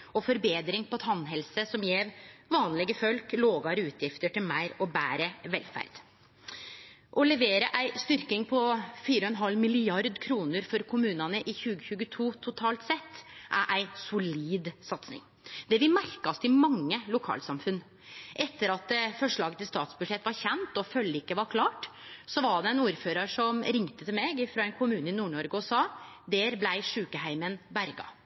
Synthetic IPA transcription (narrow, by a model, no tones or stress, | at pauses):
ɔfɔɾbeːd̪ɾɪŋpʰɔt̪ʰɑnːɦɛlsəsɔmjeːʋʋɑːnlɪɡəfœlkloːɡɑɾəʉːt̪ʰjɪft̪əʈɪlmæɪɾɔbæːɾəʋɛlfæ̰ɾd̪̥ | ʔɔlɛʋeːɾəʔæɪst̪ʏɾkɪŋpʰɔfiːɾɔɛnɦɑlmɪlɪɑɾd̪kʰɾuːnəɾfɔɾkʰʊmʉːnɑnəʔɪçʉːɡəçʉɡət̪ʰuːt̪ʰʊt̪ʰɑːlt̪sɛt̪ːʔæɾʔæɪsʊliːd̪sɑt̪snɪ̰ŋ | d̪ɛʋɪmæɾkɑst̪ɪmɑŋːəlʊkʰɑ̰ːlsɑmfʉn | ʔɛt̪ːəɾɑt̪̚d̪ɛfɔʂɭɑːɡət̪ɪlst̪ɑ̰ːt̪sbʉʂɛt̪ːʋɑɾçɛnt̪ɔfœlːəɪkːəʋɑɾkʰlɑːʈsɔʋɑɖɛɛnuːɾføːɾɑɾʂɔmɾɪŋt̪ət̪ʰɪlmɛɡɪfɾɑɛnkʰʊmʉːnəɪnuːɳɔɾɡəʊsɑː | d̪ɛːɾblæɪʂʉːkəhæɪmənbæɾɡɑ̰